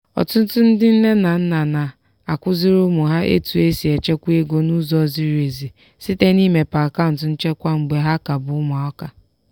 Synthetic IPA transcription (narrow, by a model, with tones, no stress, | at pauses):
ɔ̰˨tʊ˦n̩˦tʊ˦n̩˦dɪ˦n̩˦le˦na˨n̩˦na˨na˨ | a˨kʷʊ˦zɪ˦ɾʊ˦mʊ˨ɦa˦ʔḛ˦tu˨e˦si˨e˨t͡ʃe˦kʷu˦e˦ɡo˦nu˦zɔ˦˨zi˦ɾe˨zi˨ | si˦te˦ni˦me˨pa˨ka˦n̩˨tʊ˨n̩˦t͡ʃe˦kʷa˦ŋ͡m̩˨ɡ͡be˨ɦa˦ka˨bʊ˨ʊ˦ma˨ɔ˦ka˨